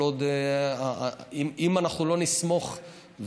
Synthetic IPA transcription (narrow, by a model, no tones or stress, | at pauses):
od̪aimimanaχnulo̞nismo̞χ | v